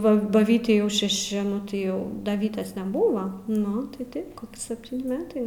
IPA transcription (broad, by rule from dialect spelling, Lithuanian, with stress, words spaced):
ˈʋɐ bɐ ˈʋʲiːtʲɛɪ jɛʊ ʃʲɛˈʃʲɪ ˈnʊ tɐɪ ˈjɛʊ dɐ ˈʋʲiːtʲeːs nʲɛˈbʊʋɐ ˈnʊ tɐɪ ˈtɐɪp ˈkoːkʲɪ sʲɛpʲˈtʲiːnʲɪ ˈmʲæːtɐɪ